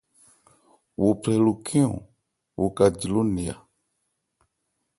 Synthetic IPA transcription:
wu˨pʰɛ˨lu˨kʰi˦ɔ̰̃˨ | wu˨ka˨d͡ʒi˨lu˦ni˨a̰˨

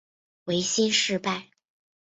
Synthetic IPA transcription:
we˧˥ɪɕi˥nʂɻ̩˥˧pa˥˩ɪ

